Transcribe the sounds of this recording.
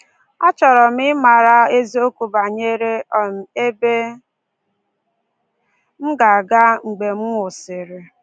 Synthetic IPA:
ɔ˦t͡ʃɔ˨ɾɔ˨m̩˦ɪ˦ma˨ɾa˦e˦zi˦o˦ku˨ba˨ɲe˦ɾe˦ɔ˨m̩˨e˦be˦ | m̩˦ɡa˨ɡa˦ŋ͡m̩˨ɡ͡be˨m̩˦ŋʷʊ˨sɪ˨ɾɪ˨

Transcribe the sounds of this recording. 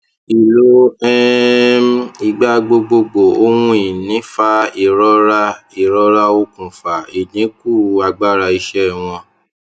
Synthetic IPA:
i˨lo˦ɛ˦mi˧˨ɡ͡ba˦ɡ͡bo˧ɡ͡bo˧ɡ͡bo˨o˦hwũ˦i˨nĩ˨˦fa˦i˨ɾɔ˦ɾa˦i˨ɾɔ˦ɾa˦o˧kũ˨fa˨i˨nĩ˨˦ku˦˨a˧ɡ͡ba˦˨ɾa˧i˧ʃɛ˦˨w̃ɔ̃˧

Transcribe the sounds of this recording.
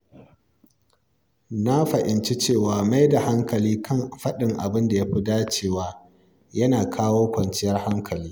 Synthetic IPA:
na˦ɸɐ˨ʔɪ˨nt͡ʃi˦t͡ʃeː˦˨waː˨ma˦jda˨ha˦ŋkɐ˨liː˦kʰɐ˦˨nɸɐ˦ɗɪ˨ŋʔa̰˨bɪ˦nda˨ja˦ɸɪ˦daː˦t͡ʃeː˦˨waː˨ | jɐ˦naː˨kʰaː˦woː˦kʷɐ˨nt͡ʃɪ˦jɐ˦rha˦ŋkʰɐ˨liː˦

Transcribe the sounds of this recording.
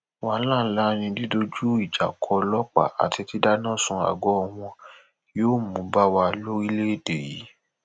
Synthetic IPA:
wa˨˦lã˦˨n̩˦la˦nĩ˧di˦do˦d͡ʒu˦i˦˨d͡ʒa̰˨kʰɔ˧lɔ˦k͡pa̰˦˨a̰˨tʰi˧ti˦da˦nã˦˨sũ˧a̰˨ɡɔ˨˦˧w̃ɔ̃˧ | joː˦˨mũ˨˦ba˦wa˧lo˦i˦le˦e˦˨de˨jḭ˨˦

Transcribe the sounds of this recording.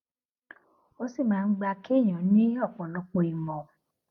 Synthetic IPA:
o˦si˦˨mãː˨˦˧ɡ͡ba˧ke˦˨j̃ɔ̃˨˦nĩ˦ɔ˦˨k͡pɔ̃˨nɔ̃˨˧˦k͡pɔ̃˧i˨mɔ̃˨

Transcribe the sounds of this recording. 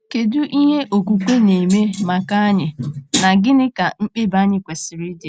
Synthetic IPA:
ke˨dʊ˦ʔi˦ɦe˦ʔo˨ku˨kʷe˦ne˨me˦ma˨ka˦a˦ɲɪ˨na˨ɡɪ˦nɪ˦ka˨ŋ͡m̩˦k͡pe˦ba˦ɲɪ˦kʷe˨sɪ˨ɾɪ˦de˨

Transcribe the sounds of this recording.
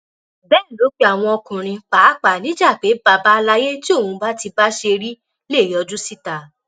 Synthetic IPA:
bɛː˦˨nĩ˨lo˨˦k͡pe˦a˨w̃ɔ̃˧ɔ˧kũ˨ɾ̃ĩ˧k͡paː˨˦k͡pa˨nĩ˨˦d͡ʒa˦˨k͡pe˨˦ba˧ba˦˧la˧˦je˦ti˦o˦˨ũ˧ba˦ti˧ba˦ʃe˧ɾi˦ | leː˦˨jɔ˨˧d͡ʒu˦si˦˨ta˨

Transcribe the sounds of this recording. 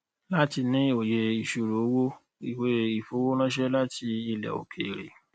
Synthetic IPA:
la˦ti˧nĩ˦o˨je˨˧i˨ʃu˨ɾo˨˦wo˦ | i˨we˨˦i˨fo˨˦wo˦lã˦ʃ̬ɛ˦la˦tʰi˧i˧lɛ̰˨o̰˨kʰe˨ɾḛ˨

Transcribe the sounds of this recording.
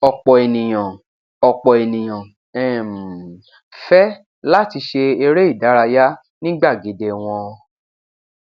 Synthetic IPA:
ɔ˧k͡pɔ˨e˨nĩ˨j̃ã˨ | ɔ˧k͡pɔ˨e˨nĩ˨j̃ã˨ | ɛ˦˨m˨ | fɛ˦ | la˦ti˧ʃe˧e˧ɾe˦i˦˨da˨˦ɾa˧ja˦ | nĩ˦ɡ͡ba˦˨ɡe˨˦de˧w̃ɔ̃˧

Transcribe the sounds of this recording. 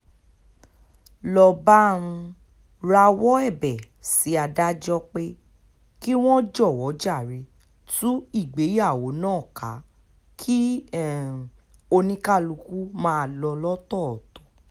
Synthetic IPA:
lɔ˧ba˦ɾũ˧ | ɾa˧wɔ˦ɛ˦˨bɛ˨ | si˨˦a˧da˦d͡ʒɔ˦k͡pe˦ | ki˦w̃ɔ̃˦d͡ʒɔ˦˨wɔ˨˦d͡ʒa˦˨ɾe˧˦ | tũ˦i˦˨ɡ͡be˨˦ja˦˨wo˨˦nãː˦˨ka˨˦ | kʰi˦˨ | o˧nĩ˦ka˦lu˧ku˦mãː˦˧lɔ˧lɔ˦tɔ˦˨tɔ̥˨˦

